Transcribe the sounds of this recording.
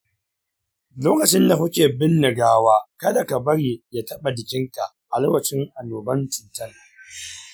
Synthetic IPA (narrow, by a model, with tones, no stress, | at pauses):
loː˦kɐ˨t͡ʃɪ˦nda˨ɦʊ˦kʲeː˨bɪ˦nːɪ˨ɡaː˦waː˦kɐ˦da˨ka˨bɐ˦ɽiː˨jaː˦tɐ˦ɓa˨dɪ˨kʲɪ˦ŋka˨ʔʔa˨lo˦wɐ˨t͡ʃɪ˦ŋʔa˨noː˨bɐ˦ntɪ˨ntɐ˦˨ŋ